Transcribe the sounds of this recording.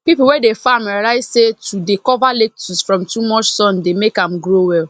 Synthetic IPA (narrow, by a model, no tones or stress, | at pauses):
pipl̩wɛdefamaɾaɪsetʰudekɔvalek̚tʰusfɾɔ̃mtumɔt͡ʃsɔ̃ndemekãmɡɾowɛl